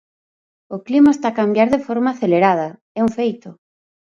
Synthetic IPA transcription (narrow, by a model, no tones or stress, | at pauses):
oklimaest̪akambjaɾðefɔɾmaaθeleɾað̞ɐ | ɛuŋfejt̪ʊ